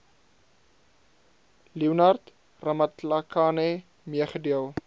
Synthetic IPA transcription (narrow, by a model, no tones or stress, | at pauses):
liwnɐrt | rɐmɐt̪lakʰaːne | miəχədiəlˠ